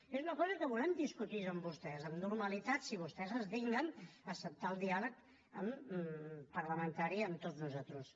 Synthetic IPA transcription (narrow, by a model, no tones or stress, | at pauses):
ezunəkɔzəkəβulɛmd̪iskut̪iəmbust̪ɛzəmnuɾməlit̪at̪siβ̞ust̪ɛzəzðiɡnənəsəp̚t̪aəlˠd̪ialək | əm | pəɾləmənt̪aɾiəmt̪oznuzat̪ɾus